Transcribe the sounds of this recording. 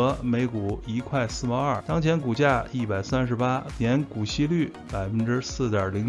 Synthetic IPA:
me˧˥ɪku˨˩i˧˥kʰwa˥˩˧ɪsɹ̩˥˩pa˧˥ɐ˞˥˩t̪ɑ˥ŋt͡ɕʰjɛ˧˥nku˨˩t͡ɕja˥˧i˥˩pa˨˩ɪsa˥nʂɻ̩˧˥pa˥njɛ˧˥nku˨˩ɕi˥ly˥˩ | pa˨˩ɪfə˥nʈ͡ʂɻ̩˥sɹ̩˥˩t̪jɐ˨˩li˧˥ŋ

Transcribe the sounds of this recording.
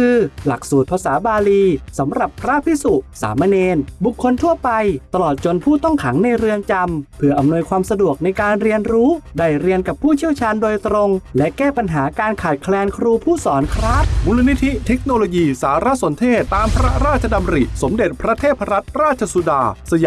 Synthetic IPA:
kʰɯː˧la˨˩k̚suː˨˩t̪̚pʰa˧saː˩˦baː˧liː˧sa˩˦mɾa˨˩pʰːɾa˦˥pʰi˦˥su˨˩t̪sa̰ː˩˦mːa˧neː˧nbu˨˩kʰːo˧nt̪ʰu˥˩ɐpa˧jt̪a˧lɔː˨˩t̪̚t͡ɕo˧npʰuː˥˩t̪ɔ˥˩ŋkʰa˩˦ŋna˧jɾɯ˧əŋt͡ɕa˧mpʰɯ˥˩ɐʔa˧mnu˧əjkʰwaː˧msa˧du˨˩ək̚na˧jkaː˧nɾi˧ənɾuː˦˥daː˥˩jɾi˧ənka˨˩pʰːuː˥˩t͡ɕʰi˥˩əwt͡ɕʰaː˧ndoː˧jt̪ɾo˧ŋlɛ˦˥kɛː˥˩pa˧nɦaː˩˦kaː˧nkʰaː˨˩t̪̚kʰlɛː˧nkʰɾuː˧pʰuː˥˩sɔː˩˦nkʰɾaː˦˥˩t̪̚muː˧la˧ni˦˥t̪ʰi˦˥t̪ʰe˦˥k̚noː˧loː˧jiː˧saː˩˦ɾa˦˥so˩˦nt̪ʰeː˥˩t̪ːaː˧mpʰɾa˦˥ɾaː˥˩t̪̚t͡ɕʰa˧da˧mɾḭ˨˩so˩˦mde˨˩t̪̚pʰɾa˦˥t̪ʰeː˥˩t̪̚pʰa˧ɾa˦˥t̪̚ɾaː˥˩t̪̚t͡ɕʰa˧su˧daː˧sa˧j

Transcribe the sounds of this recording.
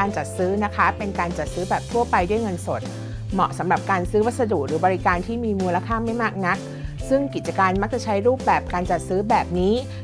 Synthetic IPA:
aː˧nt͡ɕa˨˩t̪̚sɯː˦˥na˦˥kʰa˦˥pe˧nkaː˧nt͡ɕa˨˩t̪̚sɯː˦˥bɛː˨˩p̚t̪ʰu˥˩ɐpa˧jdu˥˩əjŋɤ˧nso˨˩t̪̚ | mɔ˨˩ʔsa˩˦mɾa˨˩p̚kaː˧nsɯː˦˥wa˦˥t̪̚sa˧duː˨˩k̚ɾɯː˩˦bɔː˧ɾi˦kaː˧nt̪ʰiː˥˩miː˧muː˧nla˧kʰaː˥˩ma˥˩jmaː˥˩k̚na˦˥k̚ | sɯ˥˩ŋki˨˩t̪̚t͡ɕa˧kaː˧nma˦˥k̚t͡ɕa˨˩t͡ɕʰa˦˥jɾuː˥˩p̚bɛː˨˩p̚kaː˧nt͡ɕa˨˩t̪̚sɯː˦˥bɛː˨˩p̚niː˦˥

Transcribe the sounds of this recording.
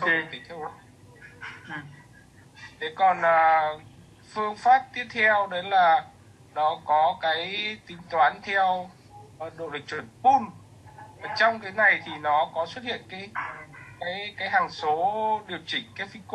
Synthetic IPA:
t̪i˨˦t̪ʰɛ˧ | ʔ | t̪ʰe˨˦kɔ˨˩nʔəː˨˩ | fɨ˧əŋfaː˦˥p̚t̪i˦˥əp̚t̪ʰɛ˧wɗə˨˦jlaː˨˩ | nɔ˨˦kɔ˨˦kaː˨˦jt̪ï˨˦ŋ̟t̪waː˨˦nt̪ʰɛ˧w | ɗo̰˧˨lɨ˨˩k̚t͡ɕwə˧˩npu˧n | vaː˨˩t͡ɕɔ˧wŋ͡mkaː˨˦jna˨˩jt̪ʰi˨˩nɔ˨˦kɔ˨˦swə˦˥t̚hḭ˧˨ənkaː˨˦jkaː˨˦jkaː˨˦jɦaː˨˩ŋso˨˦ɗi˨˩əwt͡ɕï˨˩ŋ̟kaː˨˦jfi˧k

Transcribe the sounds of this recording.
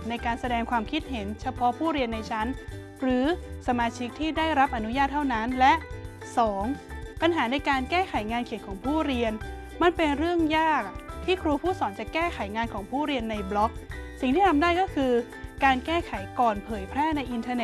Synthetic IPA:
na˧jkaː˧nsa˧dɛː˧ŋkʰwaː˧mkʰi˦˥t̪̚ɦe˩˦nt͡ɕʰa˧pʰɔ˦˥ʔpʰuː˥˩ɾi˧ənːa˧jt͡ɕʰa˦˥n | ɾɯː˩˦sa˧maː˧t͡ɕʰi˦˥k̚t̪ʰiː˥˩daː˥˩jɾa˦˥p̚ʔa˧nu˦˥jaː˥˩t̪ʰːa˥˩wna˦˥nlɛ˦˥ʔ | sɔː˩˦ŋpa˧nɦaː˩˦na˧jkaː˧nkɛː˥˩kʰa˩˦jŋaː˧nkʰi˨˩ə˦nkʰɔː˩˦ŋpʰuː˥˩ɾi˧ən | ma˧npe˧nɾɯ˥˩əŋjaː˥˩k̚t̪ʰiː˥˩kʰɾuː˧pʰuː˥˩sɔː˩˦nt͡ɕa˨˩kɛː˥˩kʰa˩˦jŋaː˧nkʰɔː˩˦ŋpʰuː˥˩ɾi˧ənːa˧jblɔ˦˥k̚si˨˩ŋt̪ʰiː˥˩tʰa˧mdaː˥˩jkɔː˥˩kʰɯː˧ | kaː˧nkɛː˥˩kʰa˩˦jkɔː˨˩npʰɤː˩˦jpʰɾɛː˥˩na˧jʔi˧nt̪ʰa˧ne˨˩

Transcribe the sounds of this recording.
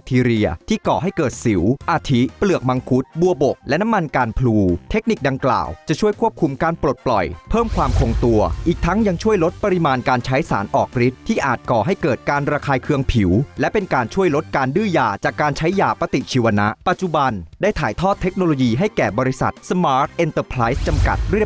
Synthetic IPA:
t̪ʰiː˧ɾi˧ɐt̪ʰiː˥˩kɔː˨˩ɦa˥˩jkɤː˨˩t̪̚si˩˦wʔaː˧t̪ʰi˦˥plɯ˨˩ək̚ma˧ŋkʰu˦˥t̪̚bu˧ɐbo˨˩k̚lɛ˦˥na˦˥mːa˧nkaː˧npʰluː˧t̪ʰe˦˥k̚ni˨˩k̚da˧ŋkla̰ː˨˩wt͡ɕa˨˩t͡ɕʰu˥˩əjkʰu˥˩əp̚kʰu˧mkaː˧npɾo˨˩t̪̚plɔ̰˨˩jpʰɤː˥˩mkʰwaː˧mkʰo˧ŋt̪u˧ɐʔiː˨˩k̚t̪ʰa˦˥ŋja˧ŋt͡ɕʰu˥˩əjlo˦˥t̪̚pa˧ɾi˧maː˧nkaː˧nt͡ɕʰa˦˥jsa̰ː˩˦nʔɔː˨˩k̚ɾi˦˥t̪̚ʰːiː˥˩ʔaː˨˩t̪̚kɔː˨˩ɦa˥˩jkɤː˨˩t̪̚kaː˧nɾaː˧kʰaː˧jkʰɯ˧əŋpʰi˩˦wlɛ˦˥pe˧nkaː˧nt͡ɕʰu˥˩əjlo˦˥t̪̚kaː˧ndɯː˥˩jaː˨˩t͡ɕaː˨˩kːaː˧nt͡ɕʰa˦˥jːaː˨˩pa˧˥t̪i˨˩t͡ɕʰiː˧wa˧na˦˥ʔpa˨˩t̪̚t͡ɕu˨˩ba˧ndaː˥˩jt̪ʰaː˩˦jt̪ʰɔː˥˩t̪ʰːe˦˥k̚noː˧loː˧jiː˧ɦa˥˩jjkɛː˨˩bɔː˧ɾi˦˥sa̰˨˩t̪̚sa˧maː˦˥t̪̚ʔe˧nt̪əː˧pʰɾa˦˥jst͡ɕa˧mka̰˨˩t̪̚ɾi˥˩˨

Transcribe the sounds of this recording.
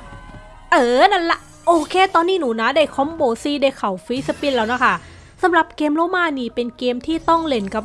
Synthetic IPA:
ʔɤː˧˩na˧˥nla˧ʔ | ʔoː˧kʰeː˧t̪ɔː˧nːiː˧˥˩nuː˨˩˦na˦˥daː˧˩jkʰɔ˦˥mboː˧˩siː˧˩da˧jkʰa˨˩˦wfi˦˥sa˧pi˦˧˩nlaː˦˥wna˦˥˩kʰa˥˩ | sa˨˩˦mɾa˨˩p̚keː˧mloː˧˥˨maː˧˨niː˧˩pe˧nkeː˧mt̪ʰiː˥˩t̪ɔ˥˩ŋle˧˩nka˧˩p̚

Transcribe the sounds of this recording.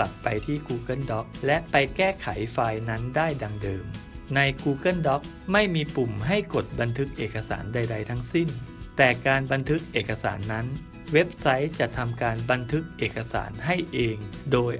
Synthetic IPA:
a˨˩p̚pa˧jt̪ʰiː˥˩kuː˧kɤ˥˩ndɔ˦˥k̚lɛ˦˥ʔpa˧jkɛː˥˩kʰa˩˦jfaː˧jna˦˥ndaː˥˩jda˧ŋdɤː˧m | na˧jkuː˧kɤ˥˩ndɔ˦˥k̚ | ma˥˩jmiː˧pu˨˩mɦa˥˩jko˨˩t̪̚ba˧nt̪ʰɯ˦˥k̚ʔeː˨˩kːa˧sa̰ː˩˦nda˧jda˧jt̪ʰa˦˥ŋsi˥˩nt̪ɛː˨˩kaː˧nba˧nt̪ʰɯ˦˥k̚ʔeː˨˩kːa˧sa̰ː˩˦nːa˦˥n | we˦˥p̚sa˦˥jt͡ɕa˨˩ʔt̪ʰa˧mkaː˧nba˧nt̪ʰɯ˦˥k̚ʔeː˨˩kːa˧sa̰ː˩˦nɦa˥˩jʔeː˧ŋdoː˧j

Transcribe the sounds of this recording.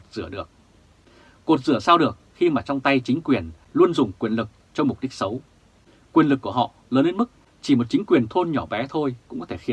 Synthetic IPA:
t̚z̥ɨ̰˧˩əɗɨ˨˩ək̚ | ko˨˩t̚zɨ̰˧˩əsaː˧wɗɨ˨˩ək̚xi˧maː˨˩t͡ɕɔ˧wŋ͡mt̪a˧jt͡ɕï˨˦ŋ̟kwi˨˩ən | lu˧ənzʊ˨˩ŋ͡mkwi˨˩ənlɨ˨˩k̚t͡ɕɔ˧wŋ͡mm˨˩k͡p̚ɗi˦˥k̚sə˨˦w | kwi˨˩ənlɨ˨˩kːu˧˩əɦɔ̰˧˨ləː˨˦nːe˧nmɨ˦˥k̚ | t͡ɕi˧˩mo˨˩t̚t͡ɕï˨˦ŋ̟kwi˨˩ənt̪ʰo˧nɲɔ˧˩ɓɛ˨˦t̪ʰo˧jkʊ̰˧˥ŋ͡mɔ˨˦t̪ʰe˧˩xi˨˦

